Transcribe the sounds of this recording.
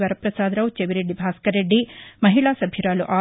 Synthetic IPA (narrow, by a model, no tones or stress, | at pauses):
ʋɐɾɐpɾɐsaːd̪ɾɐwt͡ʃeʋiɾeɖːibʱaːskɐɾeɖːimɐɦiɭaːsɐbʱjiɾaːluʔaː